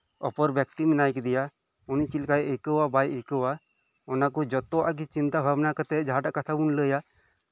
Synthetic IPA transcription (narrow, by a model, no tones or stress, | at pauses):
ɔpɔɾbjək̚t̪imɛnajkɛd̪ija | ɔnit͡ʃilkajʔekəwabajʔəkəwa | ɔnakɔd͡ʒɔt̪ːɔa̰ʔɡit͡ʃint̪abʱabnakət̪ɛd͡ʒaɦaʈaʔkat̪ʰabunləja